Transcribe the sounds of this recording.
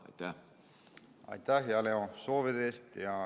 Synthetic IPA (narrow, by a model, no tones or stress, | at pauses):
ɑ̰jt̪æ | ɑ̰jt̪æɦeɑleosoːved̪eːst̪jɑ